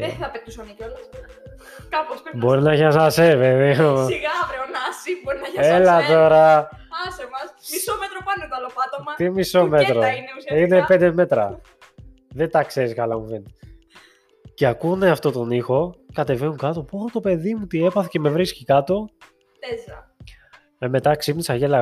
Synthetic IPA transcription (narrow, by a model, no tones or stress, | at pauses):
eɐpet̪usonicolɐ | kɐposbo̞ɾinɐʝɐsɐseveðeoɾeonsiboɾinɐelɐt̪o̞ɾɐ | ɐsmɐsmisomet̪ɾopɐnnkɐlopɐt̪omɐt̪imiso̞me̞t̪ɾonsine̞pe̞nd̪eme̞t̪ɾɐ | ðet̪ɐkse̞ɾiskɐlɐmuven | ceakune̞ɐft̪ot̪o̞nixo̞kɐt̪e̞venukɐt̪o̞poɾot̪o̞pe̞ðimut̪ie̞pɐθece̞me̞vɾiscikɐt̪o̞ | z | eme̞t̪ɐksipnisɐʝelɐ